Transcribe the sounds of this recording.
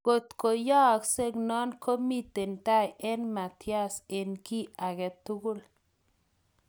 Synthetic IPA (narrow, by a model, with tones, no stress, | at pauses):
ko˨t̪ko˨jɔ˦kse˦knɔ˦nkʰo˦mi˦t̪e˨nta˦jɛ˦nma˨t̪ja˦˨se˨nki˦a˨ɡɛ˨t̪ːu˦ɡu˦l